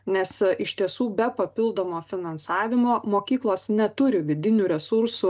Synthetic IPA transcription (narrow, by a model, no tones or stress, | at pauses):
nʲɛsɪʃt̪ʲiɛsuːbʲɛpɐpʲɪlˠd̪oːmoːfʲɪnɐnsɑːʋʲɪmoːmoːkʲiːklˠoːsnʲɛt̪ʊɾʲɪʋʲɪd̪ʲɪnʲʊɾʲɛsʊɾsʊ